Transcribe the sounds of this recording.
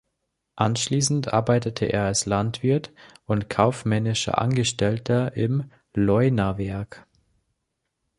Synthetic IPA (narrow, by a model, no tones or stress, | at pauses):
ʔanʃliːsn̩tʔa̰ɐbaɪtətʰəʔḛːɐalslantv̥ɪɐtʔʊntkʰaʊfmɛnɪʃɐ̰ʔa̰nɡəʃtɛltʰɐʔɪm | lɔʏnavɛɐk